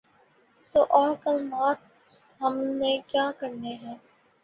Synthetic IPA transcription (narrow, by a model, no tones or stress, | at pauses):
t̪oːʔɔːɾkəlmaːt̪̚ | ɦəmned͡ʒãːkəɾneɦɛ̃ː